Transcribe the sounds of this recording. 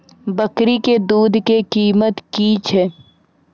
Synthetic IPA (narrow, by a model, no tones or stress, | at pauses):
bəkɾiked̪uːd̪ʱkekiːmət̪kit͡ʃʰɛː